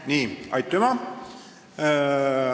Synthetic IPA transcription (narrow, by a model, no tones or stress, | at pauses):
niːɑ̰jt̪ːomɑ